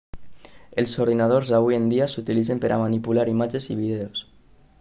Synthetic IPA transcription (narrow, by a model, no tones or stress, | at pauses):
elˠsoɾðinað̞oɾzaβujend̪iasut̪ilizempəɾʔa̰manipulaɾimad͡ʒeziβ̞iðeos